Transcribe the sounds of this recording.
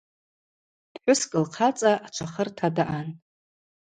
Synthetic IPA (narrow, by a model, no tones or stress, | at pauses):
d̥ħʷᶣʊskʼɨlqʰat͡sʼaʔat͡ʃʷʰaχərtʰadaʔan